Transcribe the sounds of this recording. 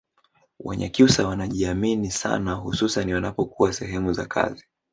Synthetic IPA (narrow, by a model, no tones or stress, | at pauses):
wa̰ɲa̰kusawanaʄiaminisa̰naɦususaniwanapɔkuwasɛɦɛmuza̰kʰa̰zi